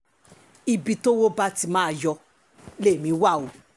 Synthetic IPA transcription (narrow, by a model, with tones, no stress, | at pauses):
i˧bi˧to˦wo˦ba˦ti˧mã˦a˨jɔ˧ | le˦˨mĩ˨˦wa˦˨o˨˦